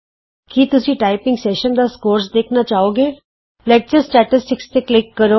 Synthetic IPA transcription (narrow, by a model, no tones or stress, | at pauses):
kit̪ʊsĩːʈaːɪpɪ̃ŋɡsɛːʃənd̪aːskoːɾsd̪eːkʰnaːt͡ʃaːoːɡeː | lɛːk̚t͡ʃəɾsʈɛːʈɪsʈɪkst̪eːklɪkːəɾoː